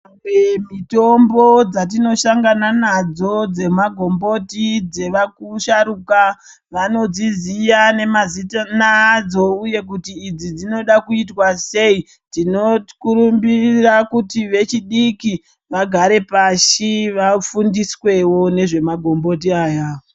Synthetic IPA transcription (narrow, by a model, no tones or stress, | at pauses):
emito̞mbo̞d͡zat̬ino̞ʃaŋɡananad͡zo̞d͡ze̞maɡʱo̞mbo̞tid͡ze̞ʋakuʃaɾuka | ʋano̞d͡zizijane̞mazitanad͡zo̞uje̞k̬utiːd͡zid͡zino̞ɗakuitwase̞i | tino̞kuɾumbirakutiʋe̞t͡ʃiɗiki | ʋaɡʱaɾe̞paʃiʋafundiswe̞wo̞ne̞ʐe̞maɡʱo̞mbo̞tiaːja